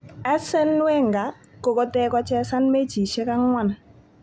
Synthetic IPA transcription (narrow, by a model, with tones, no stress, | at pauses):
ɛ˦sɛ˦nːwɛ˦˨ŋɡa˨˦ | kɔ˨kɔ˦tɛ˦kɔ˦t͡ʃɛ˦sa˦nme˦t͡ʃi˨ʃe˦ka˦ŋwa˦n